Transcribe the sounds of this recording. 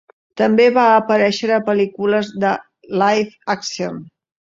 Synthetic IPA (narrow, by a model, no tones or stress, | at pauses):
t̪əmbeβaəpəɾɛʃəɾəpəlikuləzðə | lajfaksion